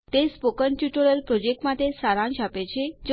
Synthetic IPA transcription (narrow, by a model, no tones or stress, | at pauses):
t̪espokəɳʈjuʈəɭəlpɾod͡ʒek̚ʈmat̪esaɾãnʃapet͡ʃʰed͡ʒ